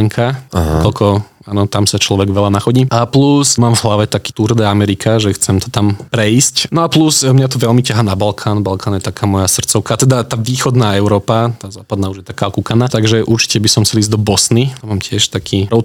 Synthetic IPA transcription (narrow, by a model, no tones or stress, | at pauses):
ŋkʰaaɦkɔlkʰɔ | aːnɔt̪amsat͡ʃlɔʋɛɡʋɛlanaxɔɟiːʔaplusmaːmvɦlaʋɛt̪akiːt̪uɾd̪ɛːamɛɾikʰaʒɛxt͡sɛmt̪ɔ̥t̪ampɾɛiscnɔaplusmɲat̪ɔʋɛlmicaɦaːnabalkʰaːnbalkʰaːnjɛt̪akʰaːmɔjasr̩t̪t͡sɔʊkat̪ɛd̪at̪aːʋiːxɔd̪naːɛʊɾɔːpat̪aːzaːpad̪naːuʒjɛt̪akaːɔkukanat̪aɡʒɛʔuɾt͡ʃi̥cɛbisɔmsɛliːzɟd̪ɔbɔsniamaːmcɪɛʃt̪akʰiːɾɔʊ